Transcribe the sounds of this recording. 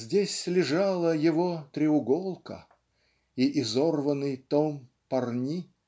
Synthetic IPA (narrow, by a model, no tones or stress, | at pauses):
zʲdʲesʲslʲɪʐɑlˠəjɪvot̪ɾʲɪʊɡolˠkə̰ | iʔɪzorvənɨjt̪om | pɐrnʲi